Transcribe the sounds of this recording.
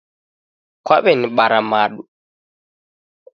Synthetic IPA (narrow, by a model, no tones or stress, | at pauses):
kwaβɛniɓaɾamaɗu